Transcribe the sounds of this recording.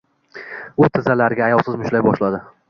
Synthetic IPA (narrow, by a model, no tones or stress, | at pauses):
ʊt̪ʰɪzalaɾɡʲaːjɒlˠsɪzmʊʃlajbɒʃlad̪ɪ